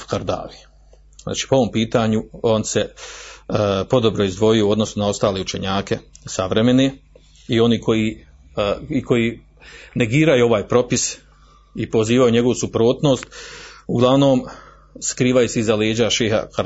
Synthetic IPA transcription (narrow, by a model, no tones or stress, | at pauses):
kaɾd̪a̰ːʋi | za̰ːt͡ʃi̥ːpoo̞ʋo̞mpiːt̪aːɲuo̞ːnse | po̞d̪o̞bɾo̞izd̪ʋo̞jijouo̞d̪no̞sunao̞st̪aːleːut͡ʃe̞ɲaːke̞saʋɾe̞me̞neː | io̞niːkʰo̞ji | ikʰo̞jiː | ne̞ɡiːɾajuo̞ʋaːjpɾo̞pis | ipo̞ziːʋajuɲe̞ɡo̞ʋusupɾoːt̪no̞ːst̪uɡlˠaʋno̞ːm | skɾiːʋajuseizaleːd͡ʑaʃeːha̰ka